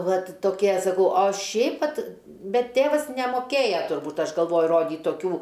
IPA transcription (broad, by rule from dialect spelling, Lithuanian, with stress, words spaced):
ˈʋɐt toːˈkʲiɛ sɐˈkɐʊ oː ˈʃʲɛɪp ˈʋɐt ˈbʲɛt ˈtʲeːʋɐs nʲɛmoːˈkʲeːjɛ tʊrˈbuːt ˈɐʃ ɡɐlˠˈʋoːjʊ ˈroːdʲiːt toːˈkʲuː